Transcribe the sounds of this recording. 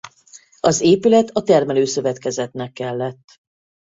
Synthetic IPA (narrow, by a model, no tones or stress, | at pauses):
ɒzeːpylɛt̪ɒt̪ɛrmɛløːsø̞vɛt̪kɛzɛt̪nɛkːɛlːɛt̪ː